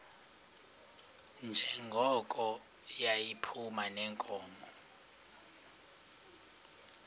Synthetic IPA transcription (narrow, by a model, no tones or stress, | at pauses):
nd͡ʒʱɛŋɡʱɔkʼɔ | jajipʰumanɛŋkʼɔːmɔ